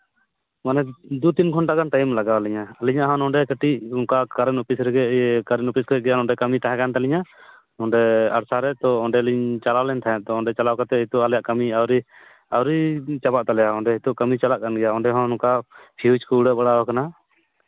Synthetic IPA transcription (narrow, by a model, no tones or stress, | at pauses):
manɛd̪ut̪inkʰɔnʈaɡant̪ajimlaɡawaliɲaːliɲaʔɦɔnɔɖɛkəʈiʔɔŋkakaɾɛnɔpisɾɛɡɛkaɾɛnɔpiskəɡɛjanɔɳɖɛkamit̪ʰaɦɛ̃kant̪aliɲa | ɔɳɖɛa̰ɽsaɾɛt̪ɔɔɳɖɛliɲt͡ʃalalɛnt̪ʰaɦɛt̪ɔɔɖɛt͡ʃalawkat̪ɛɦit̪ɔʔalɛjaʔkamiawɾi | awɾit͡ʃabaʔt̪alɛjaɔɳɖɛɦit̪uʔkəmit͡ʃalaʔkanɡɛjaɔɳɖɛɦɔnɔkapʰiɦut͡ʃkɔuɽəʔbaɽawakana